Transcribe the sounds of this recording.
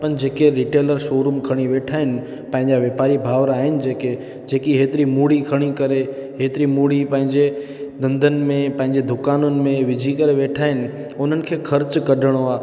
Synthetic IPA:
pɐnd͡ʑeːkeɾiʈeːləɾʃoːɾʊmkʰɐɽ̃iʋeːʈʰaːɦɪnɪ̆ | pɐ̃ɦɪ̃ɲd͡ʑaʋjeːpaːɾibʱaːʋɾaːɦɪnɪ̆d͡ʑeːke | d͡ʑeːkiɦeːt̪ɪɾimuːɽikʰɐɽ̃ikɐɾeɦeːt̪ɪɾimuːɽipɐ̃ɦɪ̃ɲd͡ʑe | d̪ɐ̃nd̪ʱənɪ̆mẽpɐ̃ɦɪ̃ɲd͡ʑed̪ʱʊkaːnʊnɪ̆mẽʋɪd͡ʑʱikɐɾeʋeːʈʰaːɦɪnɪ̆ | ʊn̤ənɪ̆kʰeːxʰɐɾt͡ɕkɐɖʱəɽ̃oaː

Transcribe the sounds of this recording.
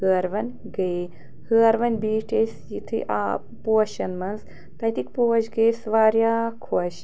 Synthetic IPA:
hɨːɾʋɐnʲ | ɡɐe | həːɾʋɐnʲbiːʈesjit̪ʰɨ̰ʔa̰ | poːʃɐnmɐnz | t̪ɐt̪ikpoːʃɡesʋaːɾjaːkʰoʃ

